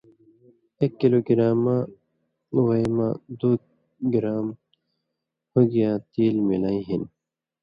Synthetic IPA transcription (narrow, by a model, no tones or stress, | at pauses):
ekːiloːɡiɾaːmã | waimãd̪u | ɡiɾaːm | hoɡijãːt̪iːlmilaːĩɦin